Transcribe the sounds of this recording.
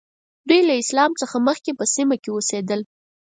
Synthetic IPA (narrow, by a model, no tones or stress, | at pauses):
d̪ujlaɪslɑmt͡səxaməxkepəsimakewosed̪əl